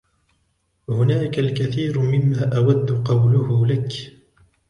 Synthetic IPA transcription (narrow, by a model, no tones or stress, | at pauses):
hʊnaːkalkaθiːɾmɪmːaːʔawad̪ːʊqɑwlʊhʊlak